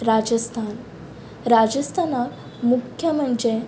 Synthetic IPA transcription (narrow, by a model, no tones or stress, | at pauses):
ɾad͡ʑəst̪ʰan | ɾad͡ʑəst̪ʰanak | mukʰjəməɳd͡ʑe